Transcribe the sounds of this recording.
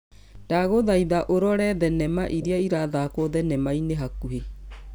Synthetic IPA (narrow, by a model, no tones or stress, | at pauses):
d̥aɣoðaiðaʔoɾɔɾɛðɛnɛmaʔiɾiaiɾaðaːkoðɛnɛmaineɦakuhe